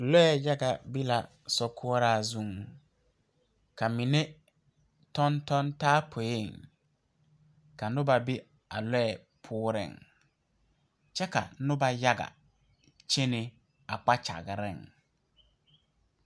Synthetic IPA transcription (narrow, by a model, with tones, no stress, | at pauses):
lɛ˦ɛ˨ja˦ɡa˨bi˦la˨ | sɔ˦kʰʊ˦ɔ˦ɾaː˦˨zu˦˨ŋ | ka˨mi˨ne˦ | tɔ˦ntɔ˦ntaː˦pʰo˨je˦˨ŋ | ka˨nʊ˦ba˨bi˦ | a̰˨lɛ˦ɛ˨ | pʰʊː˦ɾɪ̰˨ŋ | t͡ʃɛ˦ka̰˨nʊ˦ba˦ja˦ɡa̰˨ | t͡ʃe˦nɪ˨ | a˨k͡pa˦t͡ʃa̰˨ɣɪ˨ɾɪ̰˦˨ŋ